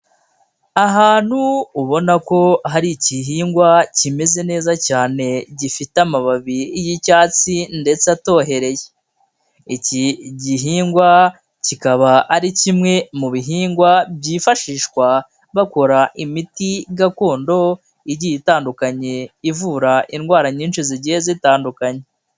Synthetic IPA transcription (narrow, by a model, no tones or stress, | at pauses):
aɦaːn̥huːβo̞nako̞ɦaɾiciɦiːŋɡwacime̞ze̞ne̞ːzacaːne̞ɟifitamaβaβiijicaːt͡sinde̞t͡seato̞ːɦe̞ɾe̞je | iciɟiɦiːŋɡwa | cikaβaːɾicimŋe̞muβiɦiːŋɡwabjiːfaʃiːʃkwa | βako̞ɾaʔimitiɡako̞ːndo̞ | iɾijitaːndukaɲe̞ivuːɾaʔinɡwaːɾaɲiːnʃiziɟiːzitaːndukaɲe